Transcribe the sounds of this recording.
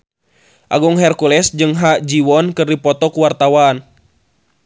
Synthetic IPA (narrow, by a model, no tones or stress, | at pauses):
ʔaɡuŋɦɛrkulɛsd͡ʒɨŋɦad͡ʒiwɔnkɨrdipɔt̪ɔkuwart̪awan